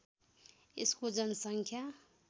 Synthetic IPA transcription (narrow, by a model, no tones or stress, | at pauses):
ḭskud͡zan̩saŋkʰa